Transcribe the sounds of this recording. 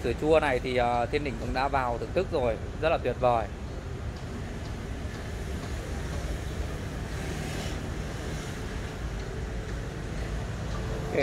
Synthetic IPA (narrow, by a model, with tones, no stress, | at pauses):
sɨ˨˧˩t͡ɕu˧əna˨˩jt̪ʰi˨˩ʔəː˨˩t̪ʰi˧ənɗï˨˩ŋ̟kʊ̰˧˥ŋ͡mɗa̰ː˧˥vaː˨˩wt̪ɨ̰˧˨ŋt̪ɨ˦˥k̚zo˨˩jzə˦˥t̚laː˨˩t̪wi˨˩ət̚vɔ˨˩j | k